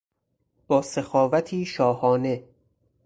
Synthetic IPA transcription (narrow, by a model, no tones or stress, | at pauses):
b̥ɒːsexɒːvæt̪ʰiːʃɒːhɒːne̞